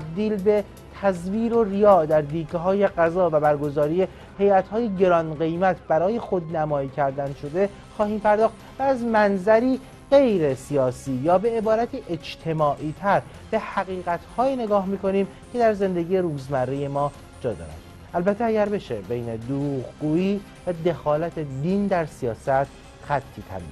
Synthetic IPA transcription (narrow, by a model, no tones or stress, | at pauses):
b̚d̪iːlbe̞ | t̪ʰæzviːɾo̞rijɒːd̪æɾd̪iːkʰeɦɒːje̞ɢæzɒːvæbæɾɡo̞zɒːɾije̞ | he̞jæt̪hɒːjeɟe̞ɾɒːnɢe̞jmæt̪ʰbæɾɒːje̞xo̞d̪næmɒːiːcʰæɾd̪ænd̪ʃo̞d̪e̞ | xɒːhiːmpʰæɾd̪ɒːxt̪ | væːzmænzæɾiː | ɢe̞jɾe̞sijɒːsiːjɒːbe̞ebɒːɾæt̪ʰiːʔe̞d͡ʒt̪ʰe̞mɒːʔiːt̪ʰæɾ | b̥e̞hæɣiːɣæt̪ʰhɒːjiːne̞ɡɒːhmiːkʰo̞niːm | cʰe̞d̪æɾze̞nd̪e̞ɟiːjeɾuːzmærːeje̞mɒː | d͡ʒɒːd̪ɒ̰ːɾæ̰n | ʔælbæt̪ʰːeæɟæɾbe̞ʃebe̞jned̪uɾuːʁɡuːiː | væd̪e̞xɒːlæt̪ʰed̪iːnd̪æɾsijɒːsæt̪ʰ | xæt̪ʰːiːt̪ʰæ̰vḭ